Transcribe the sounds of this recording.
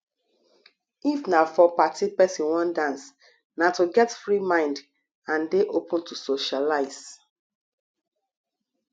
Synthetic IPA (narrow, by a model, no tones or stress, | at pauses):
ifnafɔpatʰipɛsĩnwɔ̃ndãns | natoɡɛtfɹimãɪ̃nd | ãndeʔopɔ̃ntusoʃalaɪz̥